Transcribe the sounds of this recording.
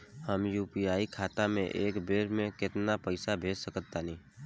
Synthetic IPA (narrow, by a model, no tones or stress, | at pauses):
həmjuːpiaːikʰaːt̪amẽʔeːkbeːɾmẽkɪt̪napəɪsabʱeːd͡ʒsəkət̪ːanĩː